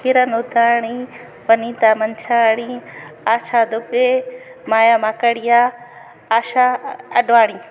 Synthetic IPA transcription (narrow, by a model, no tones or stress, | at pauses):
kɪɾənʊd̪ʱaːɽ̃i | ʋɐnit̪aːmɐnt͡ʃʰaːɽ̃iaːt͡ʃʰaːd̪ʊpe | maːjaːmaːkəɽijaː | aːʃaɐɗʋaːɽ̃iː